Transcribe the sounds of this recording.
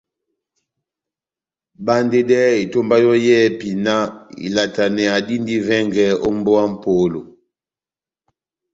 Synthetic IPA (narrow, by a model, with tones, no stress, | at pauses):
ba˦nde˦dɛ˦i˨to˦mba˦jɔ˦jɛ˦˨pi˨na˦ḭ˨la˨ta˨nɛ˨a˨di˦ndi˦vɛ˦ŋɡɛ˨˦o˦m˦bo˦a˦m̩˦po˨˦lo˨